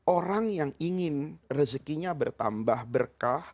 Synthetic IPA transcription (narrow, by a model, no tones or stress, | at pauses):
oɾaŋjaŋiŋɪnrəskiɲabərt̪a̰mbahbərkah